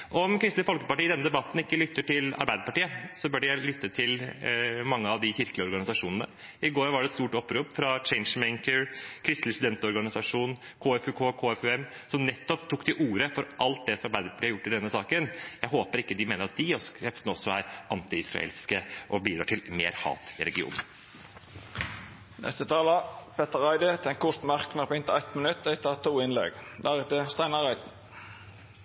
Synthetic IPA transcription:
ʔɔɔmkʰɾɪst̪lɪfɔlkəpɑʈiːɪd̪ɛnːəd̪ɛbɑt̪ːn̩ɪkːəlʏt̪ːəʈɪlɑ̰ɾbæɪd̪əɾpɑʈiːəsɔbœːɖəjæɪlʏt̪ːət̪ʰɪl | mɑŋːəɑʋd̪ɪçɪɾkəlɪɔɾɡɑnɪsɑʂuːnənə | ɪɡoːɾʋɑɖɛt̪st̪uːʈɔpːɾuːpfɾɑt͡ʃɛɪnʂmɛŋkəɾkʰɾɪst̪lɪsʉd̪ɛnt̪ɔɾɡɑnɪsɑʂuːn | kʰoːɛfʉkʰoːkʰoːɛfʉɛm | sɔmnɛt̪ːɔpt̪ʰuːk̚ːd̪ɪʔuːɾəfɔɾʔɑlt̪̚d̪ɛsɔmɑɾbæɪd̪əɾpʰɑ̥ʈʰiːɾjʊʈːɪd̪ɛnːəsɑːkənjæɪɦoːpəɾɪkːəd̪ɪmeːnəɾɑt̪̚d̪ɪɔskʰɾɛft̪ənəɔsːɔæːɾʔɑnt̪ɪɪsɾɑ̰ḛlskəʔɔbiːd̪ɾɑːʈʰɪlmḛːɾhɑ̰ːt̪ɪɾɛɡɪṵːn | nʔɛ̰st̪ət̪ʰɑːlɑpʰɛt̪əʁɑɪd̪ət̪ʰɛŋkʰʊt̪mɑʁknɑpɪnt̪əæt̪mənʉt̪ːɛɪt̪ʰɑt̪ʰuːɪnlɛ̰ɡd̪æʁɛt̪əst̪æɪnɑʁæɪt̪n̩

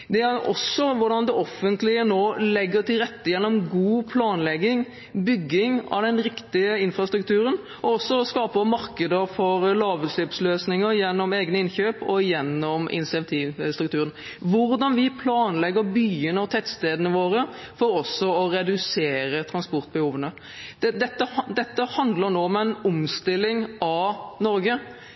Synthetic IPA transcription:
d̪ɛæɾɔ̰sːɔʋʊɾɖɑnd̪ɛʔɔfːənt̪lɪənoːlɛɡːəɾt̪ɪlɾɛt̪ːəjɛnːɔmɡuːpʰlɑːnlɛɡɪŋ | bʏɡːɪŋɑ̰ʋd̪ɛnɾɪkt̪ɪəɪnfɾɑst̪ɾʉk̚t̪ʉːɾən | ʔɔɔsːɔɔskɑːpəmɑɾkəd̪əɾfɔɾlɑːʋəslɛpsløːsnɪŋəɾjɛnːɔmeːɡnəɪnçøːpɔjɛnːɔmɪ̰nɪsɪɛnt̪ʰiːʋst̪ɾʉkt̪ʉːɾən | ʋʊɾd̪ɑnʋɪpʰlɑːnlɛɡːəɾbyːənəɑʋt̪ʰɛt̪st̪eːd̪ənəʋoːɾə | fɔɾɔsːɔɔɾɛd̪ʉseːɾət̪ʰɾɑnspɔɾt̪̚bəhuːʋənə | d̪̥ɛd̪ɛt̪ːəhd̪ɛt̪ːəhɑnd̪ləɾnoːɔmæɪnʊmst̪ɪlːɪŋɑnɔɾɡə

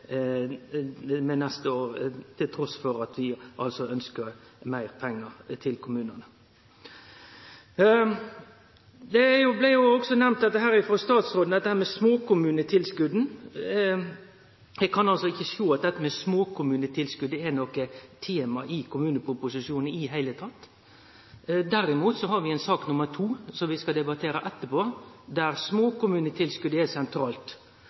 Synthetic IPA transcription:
mɛnɛst̪əoːʁt̪ʰɪlt̪ʰɾɔsfɔɾɑt̪ʰʋɪʔɑ̰lsɔœnskəɾmæɪɾpʰɛŋːəɾt̪ʰɪlkʰʊmʉːnənə | d̪ɛæjʊblæjʊɔɡsɔnɛmn̚d̪ɛt̪ːəɦæːɾɪfɔst̪ɑːt̪sɾoːd̪n̩d̪ɛt̪ːəhæːɾmɛsmoːkʰʊmʉːnət̪ʰɪlskʉd̪n̩ | ɛɡkʰɑnɑlsɔɪçːəʃoːɑt̪̚d̪ɛt̪ːəmɛsmoːkʰʊmʉːnət̪ʰɪlskʉd̪ːəɛnɔkət̪ʰeːmɑʔɪkʰʊmʉːnəpʰɾʊpʊsɪʂuːnənɪɦæɪlət̪ʰɑt̪ː | d̪æɾɪmuːt̪sɔɦɑɾʋɪɛɪnsɑːknʊməɾt̪ʰuːsɔmʋɪskɑd̪ɛbɑt̪ʰeːɾɑʔɛt̪ːəpʰoːd̪æɾsmoːkʊmʉːnət̪ʰɪlskʉd̪əɛsɛnt̪ʰɾɑːlt̪

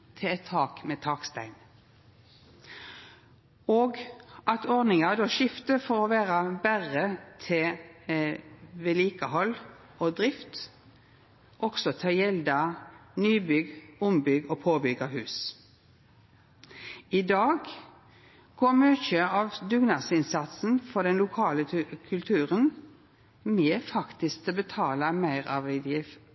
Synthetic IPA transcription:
t̪ʰɪɛt̪ʰːɑːkmeːt̪ʰɑːkst̪æɪn | oːɡɑt̪ʰɔʁd̪nɪŋɑd̪oːʃɪft̪əfɔʁɔʋæːʁɑbæʁət̪ʰɪ | ʋeːliːkəhɔl | oːd̪ʁɪft̪ | ʔɔksɔt̪ʰɑːjɛld̪ɑnyːbʏɡʊmbʏɡoːpʰoːbʏɡɑɦʉːs | ɪd̪ɑːɡ | ɡ̥oːmøːçəɑʋd̪ʉɡnɑsɪnsɑt̪sn̩fɔʁd̪ɛnlʊkʰɑːləkʰʉlt̪ʰʉːʁən | mɛːfɑkt̪ɪsk̚t̪ɛbət̪ʰɑːləmæɪʁɑ̰ːʋæɪd̪jɪf

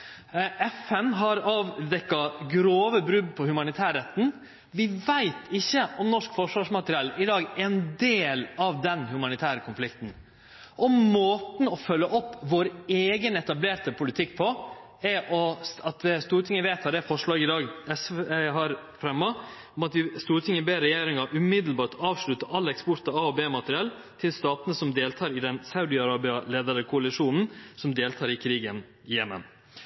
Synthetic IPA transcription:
ɛfɛnɦɑɾɑːʋd̪ɛkːɑɡɾoːʋəbɾʉbpʰɔhʉmɑnɪt̪ʰæːɾɛt̪ːn̩ | ʋɪʋæɪt̪ʰɪçːəʔɔmnɔʂkfɔʂʋɑʂmɑt̪əɾɪɛlːɪd̪ɑːɡæɛnd̪eːlɑʋd̪ɛnhʉmɑnɪt̪ʰæːɾəkʰʊnflɪkt̪n̩ | ʔɔmoːt̪n̩ɔfœlːəʔɔpːʋoːɾeːɡənɛt̪ɑbleːt̪əpʰʊlɪt̪ʰɪkːpʰɔ | ɛɾʔɔsɑt̪st̪uːɾʈ̪ʰɪŋːəʋeːt̪ʰɑd̪ɛfɔʂɭɑːɡɪd̪ɑːɡɛsɦɑɾfɾɛmːɑ | ɔmɑt̪ʋɪst̪uːɾt̪ʰɪŋəbeːɾɛjeːɾɪŋɑʔʉmɪd̪əl̩bɑːʈɑːʋʂɭʉt̪əʔɑlːɛkspɔɾt̪ɑɑɔbeːmɑt̪əɾɪɛl | t̪ʰɪlst̪ɑːt̪ənəsɔmd̪eːlt̪ʰɑːɾɪd̪ɛnsɑʉd̪ɪɑɾɑːbɪɑleːd̪əɾəkʰʊɑlɪʂuːnn̩sɔmd̪eːlt̪ʰɑːɾɪkʰɾiːɡən | jɛmːə̰n

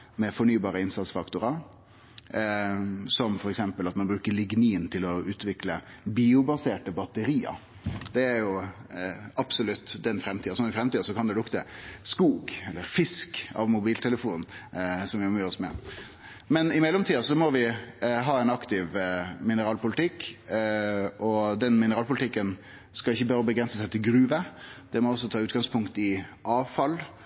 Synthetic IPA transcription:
mɛfɔɳyːbɑːɾəɪnsɑt̪sfɑkt̪ʊɾɑ | sɔmfɔɾɛksɛmpəlɑt̪mɑnbɾʉːkəɾɭɪɡniːnt̪ʰɪlɔʉːt̪ʋɪklə | biːʊbɑseːʈəbɑt̪əɾiːə̰ | d̪ɛæɾjʊ | ɑpsʊlʉt̪ːd̪ɛnfɾɛmt̪ʰiːɑsɔnɪfɾɛmt̪iːɑsɔkʰɑnd̪ɛd̪ʊkd̪ɛskuːɡɛlːəɾfɪskɑ̰ʋmʊbiːlt̪ʰɛləfuːnnsɔmʋɪɔmyːɾɔsmɛ̰ | mɛnɪmɛlːɔmt̪iːɑsɔmɔʋɪɦɑːɛnɑkt̪ɪʋmɪnəɾɑːlpʊlɪt̪ʰɪkː | ʔɔd̪ɛnmɪnəɾɑːlpʊlɪt̪ɪkːən | skɑɪçːəbɑɾəbəɡɾɛnsəsæɪt̪ʰɪlɡɾʉːʋəd̪̥ɛmɔɔsːɔt̪ʰɑːʉːt̪ɡɑŋspʰʊŋkt̪ɪʔɑːʋfɑl

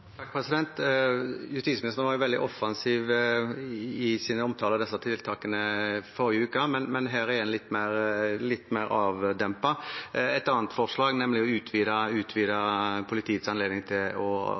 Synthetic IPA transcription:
t̪ʰɑk̚ːpʰɾɛsɪd̪ɛnt̪ | jʉst̪iːsmɪnɪst̪ənʋɑɾjʊʋɛld̪ɪʔɔfːɑnsiːʋ | ɪsiːnəɔmt̪ʰɑːləd̪ɛsːɑt̪ʰɪlt̪ʰɑːkənəfɔɾɪəʉːkəmɛnmɛnɦæːɾɛɾɛnlɪt̪ːmæɾlɪt̪ːmæɪɾɑːʋd̪ɛmpɑɛt̪ɑːnt̪fɔʁʂlɑːɡnɛmlɪɔʉːt̪ʰʋiːd̪ɑʉːt̪ʰʋiːd̪ɑpʰʊlɪt̪ʰiːət̪sɑnleːd̪nɪŋt̪ʰɪlɔ

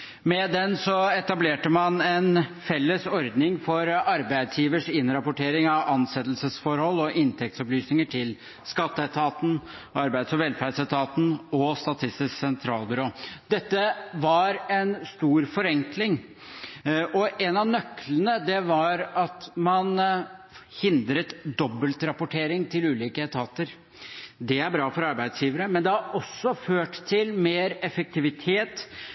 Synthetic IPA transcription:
mɛd̪ɛnsɔɛt̪ɑbleːʈəmɑnɛnfɛlːəsɔɾd̪nɪŋfɔɾɑɾbæɪd̪sjiːʋəʂɪnɾɑpʊʈʰeːɾɪŋɑʋɑnsɛt̪ːlsəsfɔɾhɔlːɔʔɪnt̪ʰɛk̚t̪sɔplyːsnɪŋəʈʰɪl | skɑt̪ːət̪ʰɑːt̪n̩ɑɾbæɪd̪sɔʋɛlfæɖsət̪ʰɑːt̪n̩ɔst̪ɑt̪ʰɪst̪ɪsksɛnt̪ʰɾɑːlˠbʏɾoːd̪̥ɛt̪ːəʋɑɾɛnst̪uːɾfɔɾɛŋklɪŋ | ʔɔʔɛnɑnœkːlənəd̪ɛʋɑɾɑt̪mɑn | hɪnd̪ɾət̪d̪ɔbːəlt̪ɾɑpʊʈʰeːɾɪŋt̪ʰɪlʉːliːkət̪ʰɑːt̪əɾ | d̪ɛæɾbɾɑːfɔɾɑɾbæɪd̪sjiːʋəɾəmɛnd̪ɛhɑɾʔɔsːɔføːʈt̪ʰɪlmeːɾɛfək̚t̪ʰɪʋɪt̪ʰeːt̪

